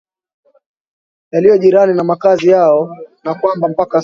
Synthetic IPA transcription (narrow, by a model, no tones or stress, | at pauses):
jalijɔʄiɾaninamakazijaɔnakwambam̩paka